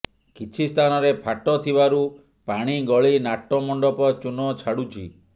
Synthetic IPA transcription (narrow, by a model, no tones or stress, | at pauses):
kit͡ʃʰist̪ʰanɔɾepʰaʈɔt̪ʰibaɾu | paɽ̃iɡɔɭinaʈːɔmɔɳɖɔpɔt͡ʃunɔt͡ʃʰaɽut͡ʃʰḭ